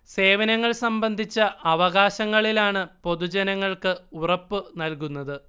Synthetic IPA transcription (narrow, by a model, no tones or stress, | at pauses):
se̞ːʋɐnɐŋːɐɭsɐmbɐnd̪ʱit͡ɕːɐʔɐʋɐɣaːɕɐŋːɐɭilaːɳɨpo̞ðud͡ʑɐnɐŋːɐɭkɨurɐpːɨnɐlkunːɐðɨ